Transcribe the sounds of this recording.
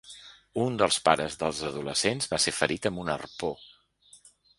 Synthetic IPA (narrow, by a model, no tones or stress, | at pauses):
und̪əlˠspaɾəzðəlˠzəðuləsenzβasefəɾit̪əmbunə̰rpo